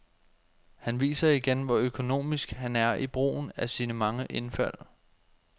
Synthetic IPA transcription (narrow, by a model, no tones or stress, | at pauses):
hænʋḭːsɐiɡ̥enʋɒøkʰo̝no̝̰ːmisɡ̥hænæɐʔib̥ʁo̝̰ːn̩æsiːnəmɑ̈ŋəʔe̝nfæl̰